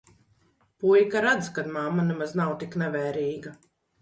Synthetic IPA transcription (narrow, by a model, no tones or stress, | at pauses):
pujkaɾad̪zkad̪mamːanɛmaznawt̪iknɛvɛːɾiːɡa